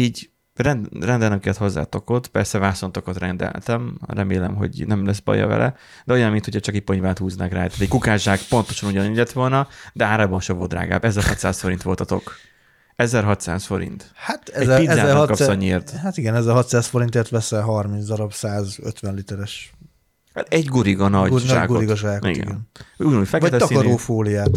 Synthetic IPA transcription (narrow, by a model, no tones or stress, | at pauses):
iːɟ | rɛndrɛnd̪ɛlt̪ɛmkiɛt̪ho̞zːa̰ːt̪o̞kot̪pɛrsɛvaːsont̪o̞kot̪rɛnd̪ɛ̰lt̪ɛmrɛmeːlɛmɦo̞̰ɟnɛmlɛs̬bɒ̰jɒ̰vɛ̰lʔɛ̰ | d̪ɛo̞jɒnmint̪hocʰɛt͡ʃɒkipoɲvaːt̪huːznakraːjt̪aːt̪ic̚ʲkukaːʒaːkpo̞nt̪o̞ʃɒnuɟɒnilɛt̪ʋo̞lnɒd̪ɛaːɾaːbɒnʃɛvold̪ɾra̰ːɡa̰ːbɛzɛrhɒ̰t̪sa̰ːsfo̞ɾint̪ʋo̞lt̪ɒt̪o̞̰k | ɛzɛrɦɒt̪sa̰ːsfo̞ɾḭnt̪hat̪ɛɛzpizaːkːɒpsɒɲeːrt̪hat̪iɡɛnɛzɛrɦɒt̪saːsfoɾint̪eːrt̪ʋɛsɛɦɒrmint̪zd̪ɒɾɒbsaːzø̰t̪ʋɛnlit̪ɛɾɛʃ | hat̪ɛɟɡuɾiɡɒnɒɟnʒa̰ːkɡuoɾiɡɒʒaːkḭtɡɛ̰ɡɛnuːjnuːjfɛkvɛt̪ɛtɒkːɒɾoːfoːlijaːt̪